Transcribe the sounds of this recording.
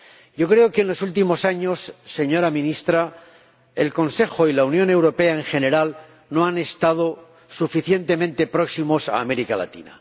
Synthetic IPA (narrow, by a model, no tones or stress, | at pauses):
ɟ͡ʝo̞kɾe̞okeːnlo̞sult̪̬imo̞saɲo̞sːe̞ɲo̞ɾamĩnist̪ɾa | e̞lko̞nse̞xo̞ilaunjõ̞ne̞wɾo̞pe̞ae̞ŋxe̞ne̞ɾal | no̞ane̞st̪að̞o̞ | sufiθje̞nt̪e̞mẽnt̪e̞pɾo̞ksimo̞sa̰ːme̞ɾikala̰t̪ḭna̰